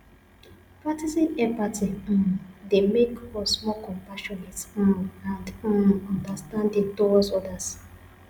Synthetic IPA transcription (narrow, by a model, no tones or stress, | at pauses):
pɹatisĩnɛpatiɔ̃demekɔsmɔkɔ̃mpaʃɔnetããndɔ̃nɔ̃ndastãndĩŋtoɔsɔdas